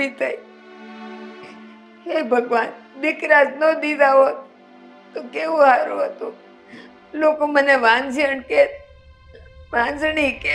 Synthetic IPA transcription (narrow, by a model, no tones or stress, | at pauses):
it̪ʰai | ɦebʱəɡʋanʋɪkɾasnod̪id̪ʱaʋo | t̪okeʋũɦaɾũɦət̪ũ | lokoməneʋãnd͡ʒʱiəɳket̪ | ʋãnd͡ʒɳik